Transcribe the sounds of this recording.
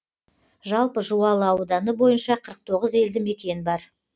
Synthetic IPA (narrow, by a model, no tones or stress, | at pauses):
ʒɑlˠpəʒuwɑlˠəɑwd̪ɑnəbo̞jənʃɑqʰəɾəq̚t̪ʰo̞ʁəze̞ld̪ɪme̞kʲe̞nɪbɑɾ